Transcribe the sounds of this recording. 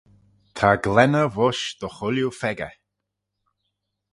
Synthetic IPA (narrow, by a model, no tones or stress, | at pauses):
t̪ʰaɡlɛnəvɔʃd̪̥əxʊljufɛɡə̰